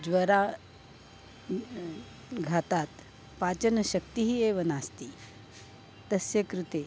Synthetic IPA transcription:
d͡zʋəɾa | ɡʱat̪at̪ | pat͡ɕənəɕəkt̪iɦiːeʋənast̪iː | t̪əsjəkɾut̪e

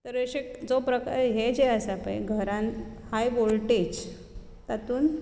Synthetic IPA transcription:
t̪əɾəɕekd͡zopɾəka̰ɾɦed͡ʑeəsapa̰jɡʱəɾãn | hajʋolʈed͡ʑ | t̪at̪uːn

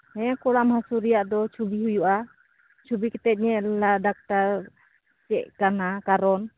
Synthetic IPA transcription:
ɛkuɽamhasuɾijaʔd̪ɔt͡ʃʰubiɦujuʔa | t͡ʃʰubikɛt̪ɛt̪̚ɲɛlaɖak̚ʈaɾ | t͡ʃɛ̰ʔkanakaɾɔn

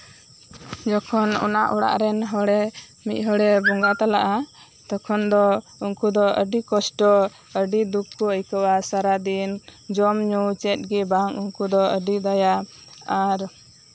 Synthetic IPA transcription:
d͡ʒɔkʰɔnɔ̰na̰ʔɔɽa̰ʔɾɛnɦɔɽɛ | mit̪̚ɦɔɽɛbɔŋɡat̪alaʔa | t̪ɔkʰɔnd̪ɔuŋkud̪ɔʔəɖikɔsʈɔ | əɖid̪ukːɔəjkəwasaɾad̪ind͡ʒɔmɲut͡ʃɛt̪̚ɡɛbaŋuŋkud̪ɔəɖid̪aja | aɾ

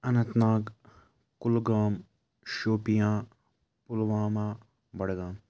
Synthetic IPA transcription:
ɐnɐ̃nt̪naːɡ | kʊlɡaːm | ʃoːpijãː | pʊlʋãːmãː | bɐɽɡãːm

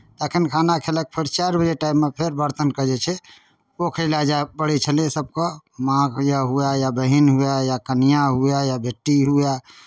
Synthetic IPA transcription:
t̪ekʰinkʰanakʰelək̚pʰeɾt͡ʃaɾbəd͡ʒeʈaimːepʰeɾbəɾt̪ənkəd͡ʒɛt͡ʃʰɛ | okʰəlad͡ʒabəɽit͡ʃʰəlẽsəb̚kəmãɡjaɦujajabəɦinɦujajakənijaɦujajabʱeʈːiɦuja

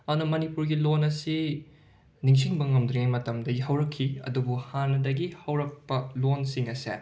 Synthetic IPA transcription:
ɐdunɐmɐnipuɾɡilonɐsi | niŋs̬iŋbɐŋɐmd̪ɾeŋajmɐtɐmdɐɡiɦɐwɾɐkʰːiɐ̰dubuhanːɐdɐɡihɐwɾɐk̚pɐlonsiŋɐsḛ

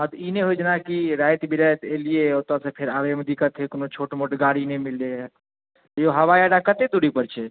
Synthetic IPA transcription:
məd̪ineɦojd͡ʒnakiɾajt̪bʱiɾajt̪elijeot̪asẽpʰeɾaɾeməd̪ikət̪ʰekonot͡ʃʰoʈmoʈɡaɽinɛmilːe | t̪joɦəʋajaɖakət̪ed̪uɽipəɾt͡ʃʰɛ

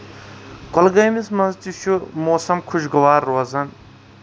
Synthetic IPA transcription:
kolɡɐjmismɐnzt͡ʃiʃumoːsɐmkʰuʃɡɐʋaːɾːoɐzɐn

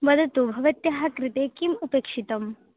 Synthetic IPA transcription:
bɐd̪ʱɐt̪ubʱɐʋɐt̪jaɦakɾit̪eːkimupeːkʂit̪ɐm

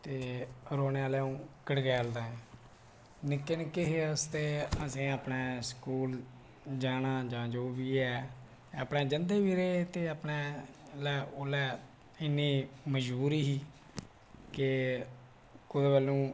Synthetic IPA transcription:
t̪eːɾoːneːaːlɛːũːkəɽɡɛːəld̪ãːɛ̃ː | nɪkːɪnkɪɦeːəst̪eːəsĩːaːpnɛːskuːl | d͡ʒaːnaːd͡ʒãːd͡ʒoːʋiːɛː | əpɳɛːd͡ʒənd̪eːʋiːɾeːt̪eːapneːlɛːʔoːlɛː | ɪnːĩːməd͡ʒbuːɾiːɦiː | kɪ | kʊd̪eːbəlːũː

